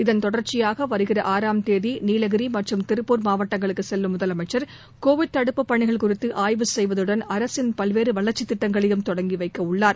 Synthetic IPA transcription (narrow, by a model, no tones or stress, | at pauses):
ɪðɐnt̪ɔɽɐɾt͡ʃɪjaːɣɐʋɐɾɯɣɪrɐʔaːɾaːmt̪eːðiniːlɐɣɪɾimɐʈrɯmt̪ɪɾɯpːuːɾmaːʋɐʈːɐŋɡɐɭɯkːɯsɛlʋɯmːʊðɐlɐmɐɪt͡ʃːɐɾ | koːʋɪɖ̚t̪ɐɽɯpːɯpːɐɳːɪɣɐɭkʊrɪt̪ːɯʔaːjʋɯsɛjʋɐðɯɽɐnɐɾɐsɪnpɐlʋeːɾɯʋɐɭɐɾt͡ʃːɪt̪ːɪʈːɐŋɡɐɭɛjɯmt̪ɔɽɐŋɡiʋɐɪkːɐʊɭːaːɾ